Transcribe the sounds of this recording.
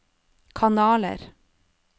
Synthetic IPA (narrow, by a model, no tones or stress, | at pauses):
kʰɑnɑːlə̰ɾ